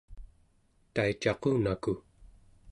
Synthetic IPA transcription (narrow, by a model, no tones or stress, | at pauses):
t̪ait͡ʃɑquːnaku